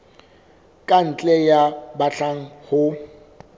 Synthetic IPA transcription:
kʼan̩t͡ɬʼɛjabaɬaŋ̩hʊ

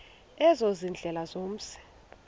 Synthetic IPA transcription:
ɛzozind͡ɮʱɛlazom̩sɛ̥

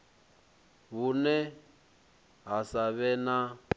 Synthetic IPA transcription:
βunɛ | ɦasaβɛna

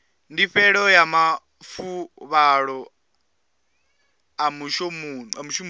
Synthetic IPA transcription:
ndiɸɛɺɔjama | fuβaɺɔ | amuʃɔmunamuʃɔm

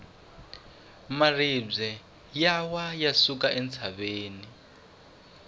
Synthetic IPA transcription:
marib͡ʐɛ | jawajasukaʔɛnt͡sʰaβeːni

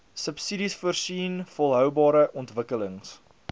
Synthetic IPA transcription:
səpsidisfuərsiːnfɔlˠɦœwbɑːɾəʔɔntvəkələŋs

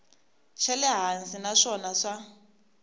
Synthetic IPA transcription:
t͡ʃʰɛlɛɦand͡zʼinaʂɔnaʂa

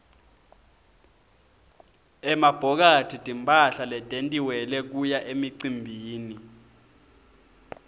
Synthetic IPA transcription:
ɛmab̥ʱɔk̬atʰid̥ʱimpʼaɬalɛtʼentʼiwɛlɛk̬ujaʔemiǀimbʱiːni

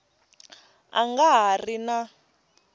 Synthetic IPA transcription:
a̰ŋɡaɦarina

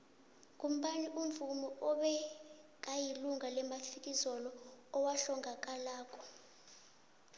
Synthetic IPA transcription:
k̬ʼum̩ɓaniʔuɱvumɔʔɔɓɛ | k̬ʼajiluŋʱalɛmafik̬ʼizɔlɔːwaɬɔŋʱak̬ʼalaːk̬ʼɔ̥

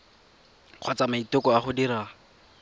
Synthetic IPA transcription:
q͡χʰwat͡samaitʊkɔaχʊdiɾa

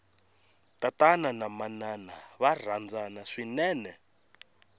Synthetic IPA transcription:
tatananamananaβar̤and͡zanaʂinɛːnɛ

